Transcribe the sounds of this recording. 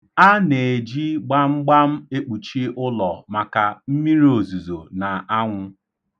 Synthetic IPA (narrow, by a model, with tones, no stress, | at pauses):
a˦ne˨d͡ʒi˦ɡ͡ba˦m̩˦ɡ͡ba˦m̩˦e˦k͡pu˨t͡ʃi˦ʔʊ˦lɔ˨ma˨ka˨m̩˦mi˦ɾi˦o˨zu˨zo˨na˨ʔa˦ŋʷʊ˦